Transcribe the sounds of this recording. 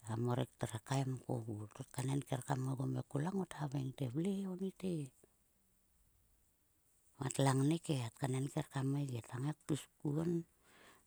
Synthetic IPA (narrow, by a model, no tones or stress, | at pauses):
amoɾektaɾakajmko̰ɡutot̚kanenkeɾkameɡomekulaŋothaβeŋteβleonite | matlaŋnekeatkanenkeɾkameɡetaŋek̚tuskuon